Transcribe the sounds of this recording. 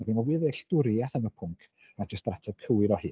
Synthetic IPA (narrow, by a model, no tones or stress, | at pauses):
maɡinɔwiːðeɬd̥ʊɾjaθənəpʰʊŋkʰ | ad͡ʒəstratʰɛv̥kʰəwɪɾɔhɨː